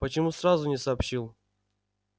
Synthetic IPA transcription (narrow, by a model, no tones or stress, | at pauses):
pət͡ɕɪmusrazʊnʲɪsɐːpɕilˠ